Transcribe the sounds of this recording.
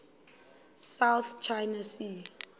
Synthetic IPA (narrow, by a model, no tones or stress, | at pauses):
sawθt͡ʃʰajnasi